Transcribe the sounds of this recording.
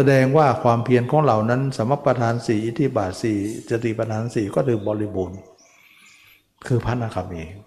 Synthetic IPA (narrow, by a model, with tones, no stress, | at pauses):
sa˧dɛː˧ŋwaː˥˩kʰwaː˧mpʰi˧ənkʰɔː˨˦ŋɾa˧˩wna˦˥˨nsa˨˦mɾa˧˩pːɾa˧t̪ʰaː˧nsiː˨˦ʔi˧˩t̪ʰi˧˥baː˨˩t̪̚siː˨˩t͡ɕa˧t̪iː˧˨˩pa˧t̪ʰaː˧nsiː˨˦kɔː˥˩t̪ʰɯː˨˧bɔː˧li˦˧˥boː˧n | kʰɯː˧pʰa˧˥˨na˧˩kʰa˧˩mʔiː˨˩